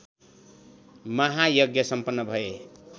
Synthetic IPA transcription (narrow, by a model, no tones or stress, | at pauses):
mʌɦajʌɡjʌsʌmpʌnːʌbʱʌe